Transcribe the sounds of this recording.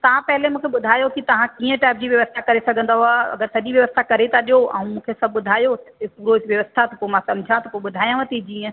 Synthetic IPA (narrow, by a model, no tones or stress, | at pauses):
t̪ɐʋ̤ãpɐɦɪlemũːkʰeɓʊd̪ʱaːjokit̪ɐʋ̤ãkiːə̃ʈaːɪp̚d͡ʑiːʋjɐʋəst̪ʰakɐɾesɐɡʱə̃nd̪aɦuaɐ̰ɡəɾsɐʄiʋjɐʋəst̪ʰakɐɾet̪ʰaɗijoɛ̰̃ũmũːkʰesɐb̚ʱɓʊd̪ʱaːjotɐtepuːɾoɪsʋjɐʋəst̪ʰat̪ɐpomãsɐ̃md͡ʑʱãt̪ɐpoɓʊd̪ʱaːjãʋɐt̪id͡ʑiːə̃